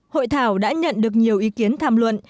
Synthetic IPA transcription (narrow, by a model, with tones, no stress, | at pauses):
ho̰˧˨jt̪ʰaː˧˩wɗa̰ː˧˥ɲə̰˧˨nɗɨ˨˩ək̚ɲi˨˩əwʔi˨˦ki˨˦ənt̪ʰaː˧˩mlwə̰˧˨n